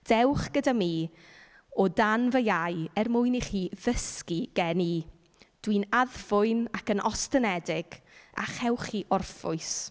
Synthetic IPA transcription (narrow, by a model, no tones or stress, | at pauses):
d̥ɛwχɡ̥ədamiː | ɔdanvəjajɛrmʊɨniχiːðəskiɡ̥ɛniː | d̥winaðfʊɨnakənʔɔstənɛdɪɡ̥ | a̰χɛwχiːʔɔrfʊ̰ɨs